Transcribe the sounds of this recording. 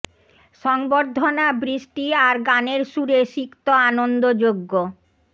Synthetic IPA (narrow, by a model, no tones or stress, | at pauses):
ʃɔŋboɾd̪ʱːonabɾiʃʈiaɾɡaneɾʃuɾeʃikt̪oanond̪od͡ʑoɡːo